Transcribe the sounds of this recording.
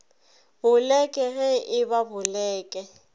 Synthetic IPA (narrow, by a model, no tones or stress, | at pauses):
bʊlɛkʼɛɣɛʔɪbabʊlɛːkʼɛ